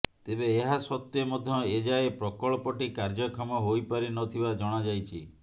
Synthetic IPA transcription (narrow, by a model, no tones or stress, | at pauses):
t̪ebeːɦasɔt̪ːjɔmɔd̪ʱjɔed͡ʒaepɾɔkɔɭɔpɔʈikaɾd͡ʒɔkʰamɔɦojpaɾinɔt̪ʰibad͡ʒɔɽ̃ad͡ʒajt͡ʃʰi